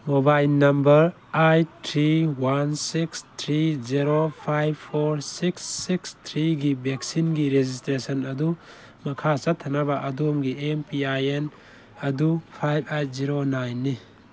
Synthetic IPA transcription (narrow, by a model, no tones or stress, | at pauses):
mobajlnɐmbɐɾ | ajtʰɾiwansikst̪ʰɾiziɾopʰajbpʰoɾsiksːikst̪ʰɾiɡibek̚sinɡiɾezistɾesɐnɐdu | mɐkʰasat̪ʰɐnabaʔɐdumɡiempʰiajen | ɐdupʰajbajt̚ziɾonajnːi